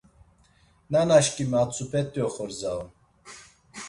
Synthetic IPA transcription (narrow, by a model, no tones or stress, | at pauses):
nanaʃkimat͡sʰʼupʰɛt̪ʼjɔχɔɾzaw